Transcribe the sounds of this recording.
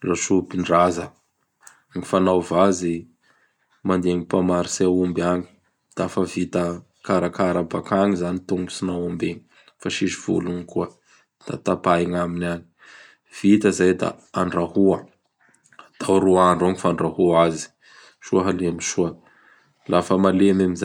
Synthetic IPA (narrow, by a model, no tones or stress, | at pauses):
laʃupiɳɖ͡ʐazə | ŋifanawvazi | mand̪eŋipamaɾiseaumbaŋi̥ | d̪̥aafəvit̪ə | kaɾakaɾabakaŋizanit̪uŋbu̥sinawumbeɲi | faʃiʃiv̥ṵluŋikuə | d̪̥a̰t̪apaiŋaminaɲi̥ | v̥it̪əzajd̪a̰aɳrahuə | at̪awɾuaɳɖ͡ʐoŋifaɳrahuazi̥ | ʃuəɦalemiʃuə | lafəmalemamiza